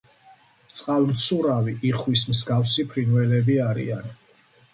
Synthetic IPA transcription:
t̪sʼqʼalˠmt̪sʰuɾaviʔiχwismsɡafsipʰɾinwɛlɛbiaɾḭan

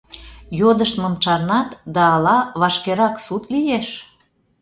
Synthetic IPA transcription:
jod̪əʃt̪mɤ̆mt͡ʃɑrnɑt̪d̪ɑːlɑβɑʃkeɾɑksut̪lijeʃ

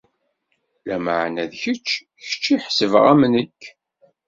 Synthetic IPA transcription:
læməʕnæðçət͡ʃː | çə̥t͡ʃːiħsəvʁæmnəkː

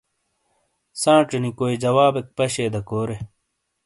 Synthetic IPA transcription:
sãːʈ͡ʂnikoːid͡ʑɐwaːbek̚pɐɕeːd̪ɐkoːɾe

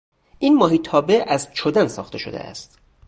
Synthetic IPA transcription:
ʔiːnmɒːɦiːt̪ʰɒːbe̞ʔæzt͡ʃʰod̪ænsɒ̰ːxt̪ʰe̞ʃod̪ḛʔæ̰st̪

